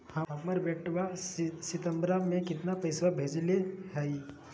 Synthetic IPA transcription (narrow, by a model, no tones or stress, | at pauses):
hɐɦɐməɾbɛʈʋasɪt̪əmbɾamẽkɪt̪napɐɪswabʱeːd͡ʒleɦɛi